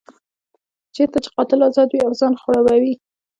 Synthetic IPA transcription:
t͡ʃeɾt̪at͡ʃɪ̥qɑt̪ɪlɑzɑd̪wiawzɑnxoɽawawi

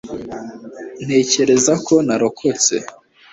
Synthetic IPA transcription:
n̥e̞ːce̞ɾe̞zakʰo̞naɾokʰo̞t͡se̞̰

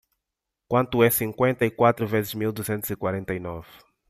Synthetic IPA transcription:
kwɐ̃nt̪uɛsĩŋkwẽnt̪ɐikwat̪ɾuvezɪzmilˠd̪uzẽnt̪uzikwaɾẽnt̪ɐinɔv

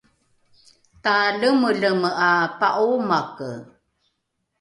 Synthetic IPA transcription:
taləməɮəməʔapaʔumakə

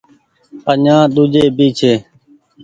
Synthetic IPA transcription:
əɲãːɗ̪ud͡ʒeːbiːt͡ʃʰeː

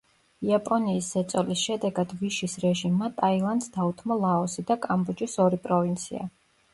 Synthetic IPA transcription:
iapʼɔniːsːɛt̪sʼɔlisʃɛd̪ɛɡad̪viʃisɾɛʒimːat̪ʼailˠand̪sd̪aut̪ʰmɔlˠaɔsid̪akʼambɔd͡ʒisɔɾipʼɾɔvint̪sʰia̰

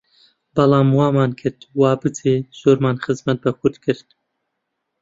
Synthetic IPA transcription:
bɐlˠɑːmwɑːmɑːnkʰɨɾd̪wɑːbɨt̪ʰeːz̥oːɾmaːnxɨzmɐt̪̚bɐkʰʊɾd̪kʰɨɾd̪

